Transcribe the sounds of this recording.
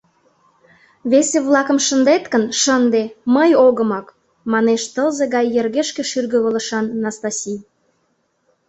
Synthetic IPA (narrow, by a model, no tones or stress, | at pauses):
βeseβlɑkə̆mʃə̆nd̪et̪kənʃənd̪eməjoɣə̆mɑk | mɑneʃt̪əzeɣɑjːerɣeʃkĕʃyrɣəβə̆lə̆ʃɑnːɑst̪ɑsʲij